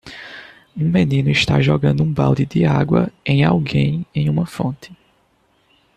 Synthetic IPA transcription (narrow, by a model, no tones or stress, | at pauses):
ũmenĩnʊiʃt̪aʒɔɡɐ̃nd̪ʊũbawd̪ɪd̪ɪaɡwɐ̰ẽj̃awɡẽj̃ẽj̃ũmɐfõnt̪ʰɪ̥